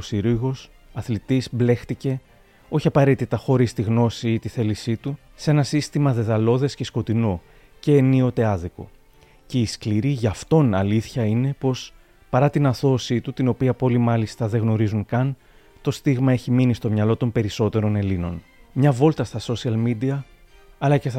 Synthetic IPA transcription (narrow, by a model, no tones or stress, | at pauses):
osiɾiɣo̞s | ɐθlit̪izble̞xt̪ice̞ | o̞çiɐpɐɾe̞t̪it̪ɐxo̞ɾist̪iɣno̞siit̪iθe̞lisit̪u | se̞nɐsist̪imɐðe̞ðɐlo̞ðe̞sce̞sko̞t̪ino̞ | ce̞ːnio̞t̪e̞ɐðiko̞̰ | ce̞iskliɾiʝɐft̪o̞nɐliθçɐine̞po̞s | pɐɾɐt̪inɐθo̞sit̪ut̪ino̞piɐpo̞limɐlist̪ɐðe̞ɣno̞ɾizuŋkɐn | t̪o̞st̪iɣmɐe̞çiminist̪o̞mɲɐlo̞t̪o̞mpe̞ɾiso̞t̪e̞ɾo̞ne̞lino̞n | mɲɐvo̞lt̪ɐst̪ɐso̞siɐlmid̪iɐː | lɐces